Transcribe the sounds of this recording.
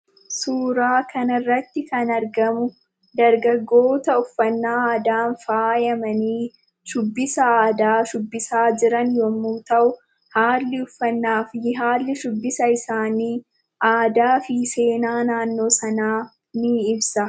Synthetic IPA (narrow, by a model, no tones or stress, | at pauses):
suːɾaːkʰɐnɐrːɐt̪ːɪkɐnɐɾɡɐmʊ | d̪ɐɾɡɐɡːo̞ːt̪ɐʊfːɐnːaːaːd̪aːnfaːjɐmɐniː | ʃʊbːɪsɐaːd̪aːʃʊbːɪsaːd͡ʒɪɾɐnjɔmːuːt̪ɐʔʊ | haːlːɪʊfːɐnːaːfjɪɦaːlːɪʃʊbːɪsɐɪsaːniː | ʔaːd̪aːfɪse̞ːnaːnaːnːo̞ːsɐnaː | nɪɪbsɐ